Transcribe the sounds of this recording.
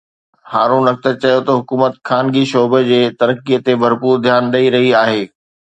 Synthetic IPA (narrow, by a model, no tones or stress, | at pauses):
haːɾũːnɐk̚t̪əɾt͡ɕɐjot̪ɐɦʊkuːmət̪kʰaːnɡiʃɔːbəd͡ʑeːt̪ɐɾəkːiət̪ebʱɐɾpuːɾd̪ʱjaːnɗɐiɾɐɦiaːɦeː